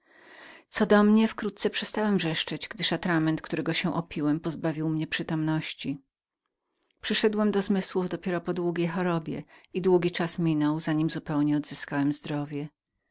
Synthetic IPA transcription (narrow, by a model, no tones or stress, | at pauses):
t̪sɔd̪ɔmɲɛfkɾut̪̚t̪sɛpʂɛst̪awɛmʐɛʂt͡ʂɛd͡ʑɡd̪ɘʂat̪ɾamɛnt̪kt̪uɾɛɡɔɕɛʔɔpʲʰiwɛmpɔzbavʲiwmɲɛpʂɘt̪ɔmnɔɕt͡ɕi | pʂɘʂɛd̪wɛmd̪ɔzmɘswuvd̪ɔpʲjɛɾɔpɔd̪wuɡʲejxɔɾɔbʲjɛ̰id̪wuɡʲit͡ʂasmʲinɔwzaɲimzupɛwɲɛɔd̪z̥ɘskawɛmzd̪ɾɔvʲjɛ